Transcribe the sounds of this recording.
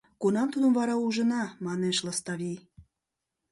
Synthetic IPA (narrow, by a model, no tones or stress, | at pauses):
kunɑmt̪ud̪ə̆mvɑɾɑuʒə̆nɑmɑneʃlɑst̪ɑβij